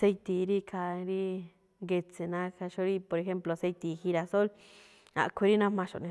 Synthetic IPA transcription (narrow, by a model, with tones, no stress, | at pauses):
se˦˧jt̪i˨˧ɾi˦kʰa˧ɾi˦ | ŋɡe˧t͡se˨nã˦ka˧ʃo˦˧ɾi˦po˧ɾe˧xe˦mplo˨se˧jt̪i˨˧hi˧ɾa˧so˦l | a̰˧ʔkʷʰe˧ɾi˦nã˦mã˧ʃo̰˨ʔnĩ˧